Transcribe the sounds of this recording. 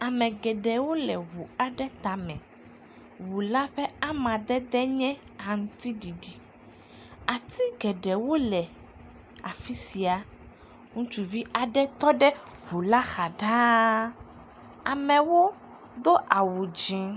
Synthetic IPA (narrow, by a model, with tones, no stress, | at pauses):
a˨mɛ̃˨ɡɛ˨ɖɛ˨wo˦lɛ˨wu˨a˨ɖɛ˦t̪a˨mɛ̰̃˨ | wu˨la˦ɸɛ˦a˦mã˨ɖ̪ɛ˦d̪ɛ˦ɲɛ̃˦a˨ŋũ˦t̪i˦ɖi˨ɖi˨ | a˨t̪i˦ɡɛ˨ɖɛ˨wo˦lɛ˨ | a˨fi˦si˨a˨ | ŋũ˦t͡ʃu˨vi˦ʔa˨ɖɛ˦t̪ɔ˦ɖɛ˦βu˨la˦xa˨ɖã˦ | a˨mɛ̃˨wo˦ | d̪o˦ʔa˨wu˨d͡ʒĩ˦